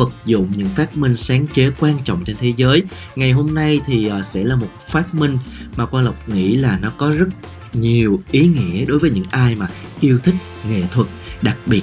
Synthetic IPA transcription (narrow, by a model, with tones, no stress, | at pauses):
fə˨˩k̚zʊ̰˧˨ŋ͡mɲɨ̰˧˥ŋfaː˦˥t̚mï˧ŋ̟saː˨˦ŋt͡ɕe˨˦kwaː˧nt͡ɕɔ̰˧˨wŋ͡mt͡ɕe˧nt̪ʰe˨˦zəː˨˦j | ŋa˨˩jɦo˧mna˧jt̪ʰi˨˩ʔaː˨˩sɛ̰˧˥laː˨˩mo˨˩t̚faː˦˥t̚mï˧ŋ̟ | maː˨˩kwaː˧nla˨˩wk͡p̚ŋḭ˧˥laː˨˩nɔ˨˦kɔ˨˦zə˦˥t̚ | ɲi˨˩əwʔi˨˦ŋḭ˧˥əɗo˨˦jvəː˨˦jɲɨ̰˧˥ŋʔaː˧jmaː˨˩ʔi˧əwt̪ʰï˦˥k̟̚ŋḛ˧˨t̪ʰwə˨˩t̚ɗa˨˩k̚ɓi˨˩ə